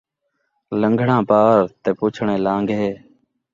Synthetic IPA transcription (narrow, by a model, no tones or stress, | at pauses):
ləŋɡʱɳãːpaːɾt̪eːpuːt͡ʃʰɳẽːlãːŋɡɦeː